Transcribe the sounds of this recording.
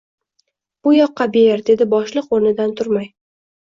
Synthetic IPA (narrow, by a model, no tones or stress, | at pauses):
b̥ʊjɒqːɑbejeɾd̪e̞d̪ɪbɒʃlˠɨqoɾnɪd̪ant̪ʰʊɾmaj